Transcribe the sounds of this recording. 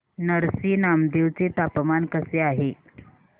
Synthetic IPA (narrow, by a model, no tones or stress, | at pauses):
nəɾsiːnamd̪eʋt͡set̪apmankəseaɦe